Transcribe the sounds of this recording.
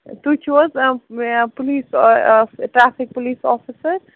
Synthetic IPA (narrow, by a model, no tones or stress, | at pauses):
t̪ut͡ʃʰʋɔz | poliːs | ʈɾafʰɪk̚poliːsɔfʰisəɾ